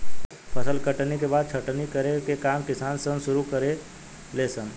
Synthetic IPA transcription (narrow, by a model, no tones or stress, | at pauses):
pʰəsəlkəʈnekebaːd̪̚t͡ʃʰəʈnikəɾekekaːmkɪsaːnsə̃nsʊɾukəɾe | leːsə̃n